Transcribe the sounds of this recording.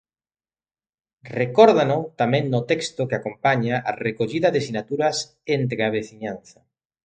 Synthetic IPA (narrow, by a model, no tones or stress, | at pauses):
rekɔɾðanʊt̪amɛ̃ŋnʊt̪ɛkst̪okeakompaɲaʔːrekoʎiðɐðesinat̪uɾɐs | ent̪̬ɾeaβ̞eθiɲanθɐ